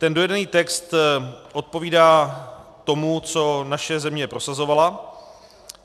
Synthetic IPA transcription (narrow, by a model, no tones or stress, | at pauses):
t̪ɛndojɛdɛniːt̪ɛkst̪ʔo̞t̪̚po̞viːdaːt̪o̞mut͡so̞naʃɛzɛmɲɛpɾo̞sazo̞vala